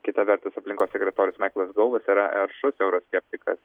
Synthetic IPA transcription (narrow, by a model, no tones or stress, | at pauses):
kʲɪt̪ɐʋʲɛɾt̪ʊsɐpʲlʲɪŋkoːssʲɛkɾʲɛt̪oːɾʲʊːsmɐɪklˠɐsɡɐlˠʋɐsiɾɐʔɛɾʃʊsɛʊɾosʲkʲɛpʲt̪ʲɪkɐ̰s